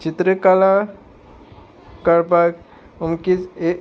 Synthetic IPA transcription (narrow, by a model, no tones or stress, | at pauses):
t͡ʃit̪ɾəkala | kəɾpak | umkit͡se